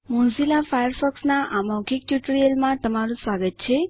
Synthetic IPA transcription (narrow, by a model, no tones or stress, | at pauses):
mõnsilafajəɾfɔksnaʔamɔɡik̚t͡ʃuʈɾiəlmãt̪əmaɾũsʋaɡət̪̚t͡ʃʰe